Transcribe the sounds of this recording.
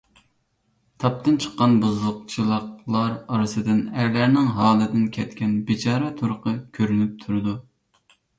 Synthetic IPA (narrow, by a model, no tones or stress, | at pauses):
t̪ʰɑp̚t̪ɨnt͡ʃʰə̥qːɑnbuzlˠʊq̚t͡ʃʰilˠəqlˠɑɾɑɾɨsɨd̪ɨnæɾlæɾnɪŋɦɑːlˠɨd̪ɪnkʲʰɛt̪kʲɛnbɪt͡ʃʰɑːɾɛt̪ʰuɾʊqʰəkʲʰøɾynyp̚t̪ʰuɾɨd̪u